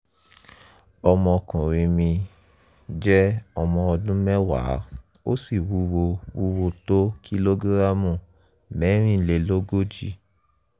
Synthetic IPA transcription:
ɔ˧mɔ̃˧kũ˨ɾĩ˧mĩ˧ | d͡ʒɛ˦ɔ˧mɔ̃˧ɔ˧dũ˦mɛ˦wa̰˨˦ | o̰˦si˦˨wu˧˦wo˧wu˧wo˧to˦ki˦lo˦ɡu˦ɾa˦mũ˨ | mɛ˨˦ɾ̃ĩ˦˧le˧˨lo˦ɡo˦d͡ʒi˧

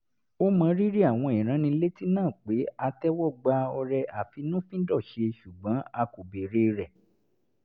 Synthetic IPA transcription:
o˦mã˧ɾi˦ɾi˦a˦˨w̃ɔ̃˧ĩ˨ɾ̃ã˨˦nĩ˧le˦ti˦nãː˦˨k͡pe˨˦a˧tɛ˦wɔ˦˨ɡ͡ba˧˦ɔ˧ɾɛ˧ʔa˨fi˧nũ˦fĩ˦dɔ˦˨ʃe˧ʃu˨ɡ͡bã˨˦a˧ko˨be˨ɾe˦˧ɾɛ˨

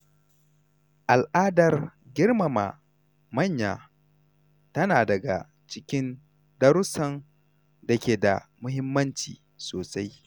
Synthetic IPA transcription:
ʔa˨lʔaː˦dɐ˨r | ɡʲɪ˦rma˨ma̰˨ | mɐ˦ɲjaː˨ | tɐ˦naː˨dɐ˨ɡa̰˨ | t͡ʃɪ˦kʲɪ˦n | dɐ˦ɾʊ˦sɐ˨n | dɐ˨kʲeː˨da̰˨mʊ˦ɦɪ˦mːɐ˦nt͡ʃḭː˨ | soː˨sa˦j

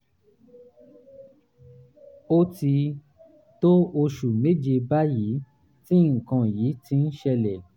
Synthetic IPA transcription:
o˦ti˧ | to˦o˧ʃu˨me˦d͡ʒe˧ba˦ji˨˦ | tĩ˦ŋ̩˨kã˨jiː˨˦ti˧n̩˦ʃɛ˧lɛ˨

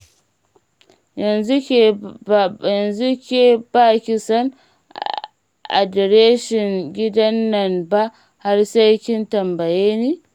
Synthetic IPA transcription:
jɐ˨nzu˦˨ | jɐ˨nzu˦kʲeː˨baː˦kʲɪ˨sɐ˦n | ʔa̰˨dɛ˨ɾeː˦ʃɪ˨ŋɡʲɪ˦dɐ˦nːɐ˨mba˦ʔ | ha˦rsa˦jkʲɪ˦ntɐ˨mbɐ˨jeː˦neː˦

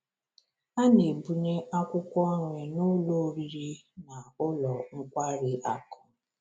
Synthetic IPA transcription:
a˦ne˨bu˨ɲe˦ʔa˦kʷʊ˦kʷɔ˦ŋʷe˨nʊ˦lo˦ɾi˦ɾi˦na˨ʊ˦lɔ˨ŋ̩˦kʷa˦ɾɪ˨ʔa˦kɔ̥˨

